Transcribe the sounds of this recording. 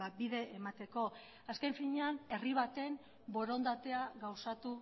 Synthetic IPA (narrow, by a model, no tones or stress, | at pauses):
at̪̚biðe̞ʔːmat̪e̞ko̞ | aske̞ɱfiɲeane̞riβ̞at̪e̞n | bo̞ɾo̞nd̪at̪e̞aɣawsat̪u